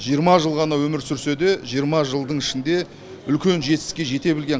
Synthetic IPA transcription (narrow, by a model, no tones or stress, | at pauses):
ʒijəɾmɑʒəlˠʁɑnɑwɵmɪɾsʏɾse̞d̪e̞ʒijəɾmɑʒəlˠd̪əɴɪʃɪnd̪e̞ | ʏlkʲe̞nʒe̞t̪ɪskʲe̞ʒe̞t̪e̞bɪlɡʲe̞